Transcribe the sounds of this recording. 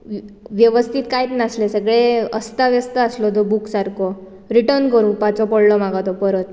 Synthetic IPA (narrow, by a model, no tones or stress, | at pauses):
ʋjəʋəst̪ʰiːt̪kajt̪naslesəɡɭeəst̪aʋəst̪aːslɔd͡z̪ɔbuksaɾkʰɔ | ɾiʈəɾnkəɾũːpat͡sɔpɔɽlɔmaɡat̪ɔpəɾət̪